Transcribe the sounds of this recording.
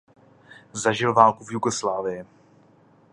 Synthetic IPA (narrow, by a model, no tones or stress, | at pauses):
zaʒɪlvaːlkuvjuɡoslaːvɪjɪ